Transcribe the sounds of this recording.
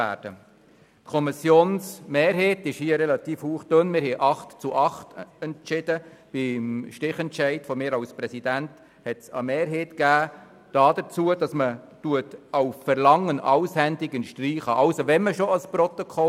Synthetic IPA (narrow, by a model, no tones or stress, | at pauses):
æ̰ːd̥ə | tkʰɔmisjoːnsmeːɾɦeːtɪʃhiːəɾɛlɑt̪iːfhuːχd̥ønmɪːɾɦɛʔɑχtt͡suʔɑχtɛnt͡ʃɪd̥əb̥ɪmʃtɪχɛntt͡ʃɛɪtfɔmɪːɾɑwspɾɛsidænt | hɛtsɑ̰meːɾɦeːtɡ̥æː | d̥ɑːd̥ət͡suəd̥ɑsmə | tuətɑʊffɛɾlɑŋːənʔɑ̰wshɛndɪkənʃtriːχəʔɑlsoʋɛnməʃoɑsprɔt̪okʰɔ